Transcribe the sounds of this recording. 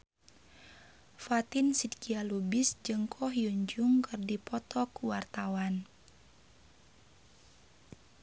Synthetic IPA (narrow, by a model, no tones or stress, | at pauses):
fat̪insidkialubisd͡ʒɨŋkʰɔhjuɲd͡ʒuŋkɨrdipɔt̪ɔkuwart̪awan